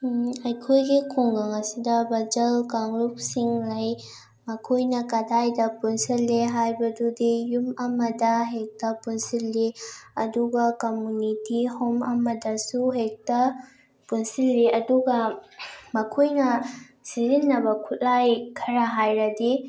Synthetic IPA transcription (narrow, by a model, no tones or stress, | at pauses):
ɐjkʰojɡikʰuŋɡaŋɐsidɐbɐd͡ʒɐlkaŋluk̚siŋlɐj | mɐkʰujnɐkɐdajdɐpunsilːeɦajbɐdudijumɐmɐdɐɦek̚tɐpunsilːiɐ̰duɡakomunitihɔmɐmɐdɐsuɦek̚tɐ | punsilːiɐduɡɐ | mɐkʰujnɐ | sizinːɐbɐkʰut̚lajkʰɐɾaɦajɾɐdi